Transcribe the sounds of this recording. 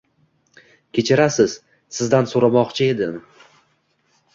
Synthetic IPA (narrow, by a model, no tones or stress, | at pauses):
kʲe̞t͡ʃʰɪɾasɪz̥ | sɪzd̪ansoɾamɒqt͡ʃʰɪe̞d̪ɪm